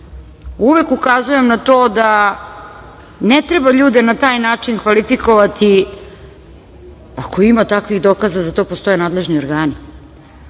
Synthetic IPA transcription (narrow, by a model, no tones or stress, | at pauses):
uʋe̞kukazuje̞mnat̪o̞ːd̪a | net̪ɾe̞baʎuːd̪e̞nat̪aːjnaːt͡ʃinkʋalifiko̞ʋat̪i | ako̞imat̪akʋiɣd̪o̞kazazat̪o̞ːpost̪o̞je̞naːd̪lˠe̞ʒnio̞ɾɡaːni